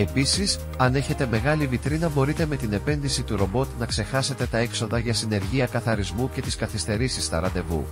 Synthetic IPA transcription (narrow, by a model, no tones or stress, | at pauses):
e̞pisis | ɐne̞çe̞t̪e̞me̞ɣɐlivit̪ɾinɐbo̞ɾit̪e̞me̞t̪ine̞pe̞nðisit̪uɾo̞bo̞t̪nɐkse̞xɐse̞t̪e̞t̪ɐe̞kso̞ðɐʝɐsine̞ɾʝiɐkɐθɐɾizmuce̞t̪iskɐθist̪e̞ɾisist̪ɐ̰ɾɐt̪e̞vṵ